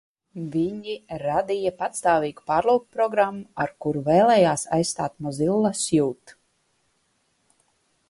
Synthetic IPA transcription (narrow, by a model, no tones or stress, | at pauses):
viɲiɾad̪ijapat̪st̪aːviːɡupaːɾlˠawkpɾɔɡɾamːuaɾkuɾuvɛːlˠɛːjaːsa̰jsst̪a̰ːt̪mɔzilˠːasjuːt̪